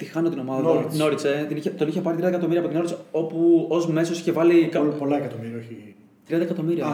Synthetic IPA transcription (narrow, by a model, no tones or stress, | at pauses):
t̪ixɐnot̪ino̞mɐðɐino̞ɾit͡set̪iniçet̪oniçepɐɾit̪ɾiɐðekɐt̪o̞miɾiɐpot̪ino̞ɾit͡seo̞puozme̞so̞siçevɐlikɐpolɐekɐt̪omiɾiɐoçi | t̪ɾiɐnd̪ɐekɐt̪o̞miɾiɐ